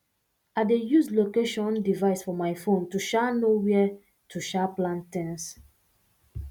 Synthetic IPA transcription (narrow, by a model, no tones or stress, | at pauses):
adejuslokeʃɔ̃ndivaɪsfɔmaɪfõntuʃanowɛ | tʰuʃaplãntɛ̃ns